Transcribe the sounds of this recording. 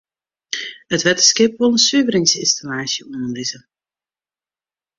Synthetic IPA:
ətʋɛtəskɪpʋolˠənsyəvəɾɪŋsɪnstalaːsjəunənlizə

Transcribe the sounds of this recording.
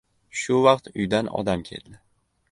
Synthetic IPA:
ʃʊvɑqt̪ʊjd̪anɒ̰d̪amkʲʰe̞̰ld̪ɪ

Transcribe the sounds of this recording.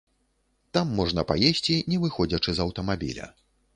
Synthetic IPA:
t̪amːɔʐnɐpa̰jesʲt͡sʲinʲɛvɨxɔd͡zʲɐt͡ʂɨzɐwt̪ɐmabʲḭlʲɐ̰

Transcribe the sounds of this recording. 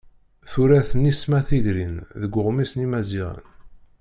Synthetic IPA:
θuɾæθənismæθiʝɾinðəɡʷːʊʁmisnimæziʁə̰n

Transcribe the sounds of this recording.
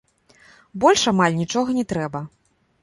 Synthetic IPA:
bɔlʲʂamalʲnʲit͡ʂɔɣɐnʲɛt̪ɾɛbɐ

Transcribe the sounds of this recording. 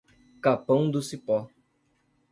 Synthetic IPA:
kapɐ̃w̃d̪ʊsipɔ

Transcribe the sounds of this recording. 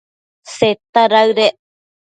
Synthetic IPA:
set̪aɾaɨɾe

